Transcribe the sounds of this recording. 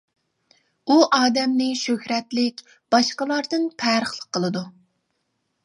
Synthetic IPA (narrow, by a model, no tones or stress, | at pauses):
uʔɑːd̪ɛmnɪʃøhɾɛt̪lɪkʲ | b̥ɑʃqəlˠɑɾd̪ɨnpʰæːɾəχlˠəqʰːəlˠɨd̪u